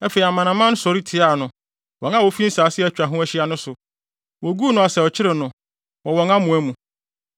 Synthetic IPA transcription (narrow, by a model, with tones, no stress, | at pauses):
æ˦fe˨i˨a˨mã˨nã˨mã˦n˦sɔ˨ɾi˦tʰɪ˨a˦˨nʊ̃˨ | wɔ̃˨ŋa˦wo˨fi˦n̩˦saː˨˦sɪ˦ɛ˦˨˦t͡ɕᶣɾa˨ɦʊ̃˦æ˦ɕɪ˦a˦nʊ̃˦sʊ˨ | wɔ˨ɡu˦nʊ̃˨a˨sɛ˨ɔ˨t͡ɕʰɪ˦ɾɪ˨nʊ̃˨ | wɔ̃˨wɔ̃˨ŋã˦mũ˨æ˦mũ˨